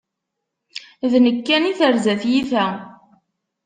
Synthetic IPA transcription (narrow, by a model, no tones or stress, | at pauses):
ðnəkːæniθəɾzæθjiθæ